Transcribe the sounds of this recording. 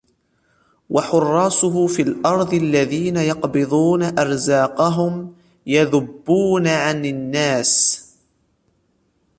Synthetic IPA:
waħʊrˤːɑːsʊɦʊfilʔɑɾˤd̪ˤʔalːaðiːnajɑqbɨðˤuːnaʔɑɾˤzaːqɑɦʊm | jaðʊbːuːnaʕanɪnːaːs

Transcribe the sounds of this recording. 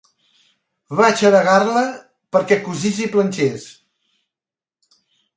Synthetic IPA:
βat͡ʃəɾəɣarlə | pəɾkɛkuzisiplənʲt͡ʃes

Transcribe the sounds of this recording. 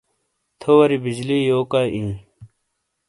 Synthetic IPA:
t̪ʰowɐɾibid͡ʑlijoːkaʔĩː

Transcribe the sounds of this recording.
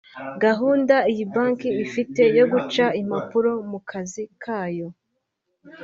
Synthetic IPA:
ɡaɦuːndaijibaːŋkiːfite̞jo̞ɡut͡ʃaimapuɾo̞mukʰazikʰaːjo̞

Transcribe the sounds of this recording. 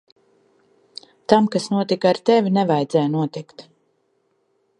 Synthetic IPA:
t̪amkasnuɔt̪ikaɾt̪ɛvʲinɛvajd̪zɛjnuɔt̪ikt̪

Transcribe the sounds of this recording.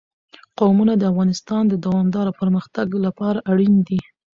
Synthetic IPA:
qowmunad̪əafɣɑnɪst̪ɑnd̪əd̪awɑmd̪ɑɾopəɾməxt̪aɡlapɑɾaʔaɽind̪i

